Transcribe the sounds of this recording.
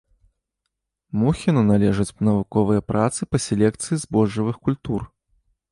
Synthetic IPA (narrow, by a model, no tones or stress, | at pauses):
muxʲinunalʲɛʐɨt͡sʲnɐvukɔvɨjɐpɾʔat̪sɨpɐsʲɛlʲɛkt̪sɨjizbɔʐːɐvɨxkulʲt̪ur